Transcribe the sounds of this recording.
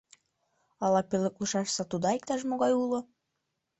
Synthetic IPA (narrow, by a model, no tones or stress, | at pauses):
ɑlɑpeləkləʃɑʃsɑt̪ud̪ɑik̚t̪ɑʃmoɣɑjulo